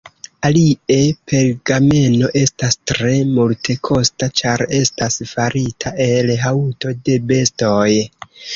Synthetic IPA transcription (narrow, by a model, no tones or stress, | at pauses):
alie̞pʰe̞lɡame̞no̞ʔe̞stastɾe̞multʰe̞kʰo̞stat͡ʃaɾe̞stasfaɾitʰaʔe̞lɦauto̞de̞be̞stoj